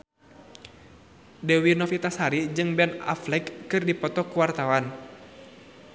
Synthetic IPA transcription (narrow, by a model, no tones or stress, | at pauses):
dɛwinɔfit̪ashaɾid͡ʒɨŋbɛna̰flɛkːɨrdipɔt̪ɔkuwart̪awan